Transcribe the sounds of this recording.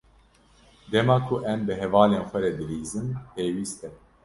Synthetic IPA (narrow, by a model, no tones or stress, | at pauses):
d̪ɛmɑːkʰʊʔɛmbɨɦɛvɑːleːnxʷɛɾɛd̪ɨɾiːzɨmpeːwiːst̪ɛ